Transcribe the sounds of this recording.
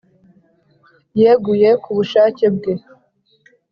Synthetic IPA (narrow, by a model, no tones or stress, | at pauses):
jeɡujekuβuʃaːceb̚ɡe